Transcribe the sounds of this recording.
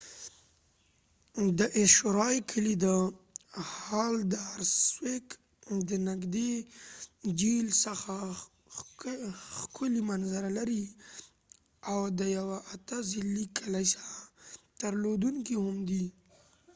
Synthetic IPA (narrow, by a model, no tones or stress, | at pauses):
d̪əʔɪʃoɾɑjkʰəlid̪ə | hɑld̪əaɾswek | d̪ənaɡd̪e | d͡ʒilsəxa | xkʰʊlimanzaɾalaɾi | awd̪əjawaʔat̪azɪlːikʰalajsat̪əɾlod̪uŋkihʊmd̪i